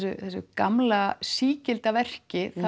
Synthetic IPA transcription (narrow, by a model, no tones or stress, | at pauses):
sʏθɛsʏ̰kamlasiːcɪlt̪avɛr̥cɪθa